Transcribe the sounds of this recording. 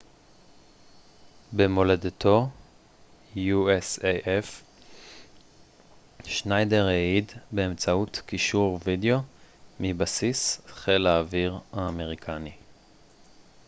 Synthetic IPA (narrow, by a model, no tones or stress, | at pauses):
bemo̞ledut̪ʰo̞ | jueseʔef | ʃnajdeʁeid̪beːmt͡sautkiʃuʁvideo̞mibasisχelaːviʁaːme̞ʁikʰani